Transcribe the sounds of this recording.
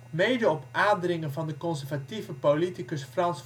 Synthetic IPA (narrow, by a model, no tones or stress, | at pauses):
mejdəɔpaːdrɪŋənvɑndəkɔnsɛɹvativəpolitikəsfrɑns